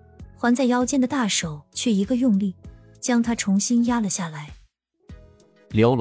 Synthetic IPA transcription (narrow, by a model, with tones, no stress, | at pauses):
xwa˧˥nt͡sa˥˩ɪjɑ˥ʊt͡ɕjɛ˥˩nd̪ə˩t̪a˥˩ʂo˨˩ʊt͡ɕʰɥɛ˥˩i˧˥ɡə˧jʊ˥˧ŋli˥˩ | t͡ɕjɑ˥ŋt̪ʰa˥ʈ͡ʂʰʊ˧˥ŋɕi˥nja˥lə˨ɕja˥˩la˧˥ɪ | ljo˧˥ʊl